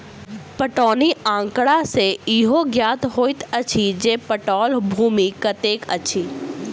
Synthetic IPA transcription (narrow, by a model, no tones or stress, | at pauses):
pəʈɔːniãːŋkɽaseiɦoɡjaːt̪ɦoːit̪ət͡ʃʰid͡ʒeːpəʈɔːlbʱuːmikət̪eːkə̰t͡ʃʰiː